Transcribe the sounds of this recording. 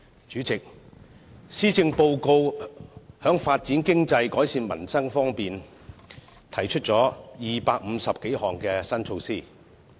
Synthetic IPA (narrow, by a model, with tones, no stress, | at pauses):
t͡ʃyː˨˥t͡sɪ˨k̚ | siː˥t͡sɪ˧ŋpo˧wko˧w | hœː˨˥ŋfaː˧t̚t͡siː˨˥nkɪ˥ŋt͡sɐ˧jkɔː˨˥jsiː˧nmɐ̰˨˩nsɐ˥ŋfɔː˥ŋpiː˨n | t̪ʰɐ˨˩jt͡ʃʰɵ˥t̚t͡sɔː˨˥jiː˨paː˧k̚m̩˨˧sɐ˨p̚ke˨˥jhɔː˨ŋkɛː˧sɐ˥nt͡sʰo˧wsiː˥˩